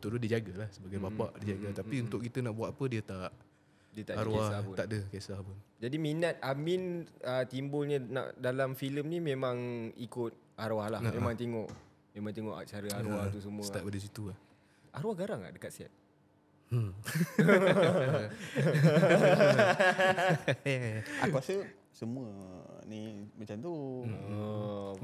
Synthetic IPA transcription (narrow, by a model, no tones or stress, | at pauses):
ut̪ududid͡ʒaɡalahsəbaɡajbapaʔdid͡ʒaɡat̪apiunt̪ʊʔ̚kit̪ənaʔbuat̪apədiət̪aʔ | diət̪aʔakwasaaʔdəkesabʊnd͡ʒadiminat̪̚aminət̪imbʊlɲəna̰ʔdalamfiləmnimẽmãŋikʊt̪̚ | aɾwahlahmemãŋt̪eŋɔʔ | memãŋt̪eŋɔʔa̰t͡ʃaɾəaɾwaht̪us̬əmũsət̪apadəs̬it̪ulah | aɾwahɡaɾaŋa̰ʔdəkat̪̚sa̰t̪̚ | jajaauasə | səmũə | nimat͡ʃamt̪uə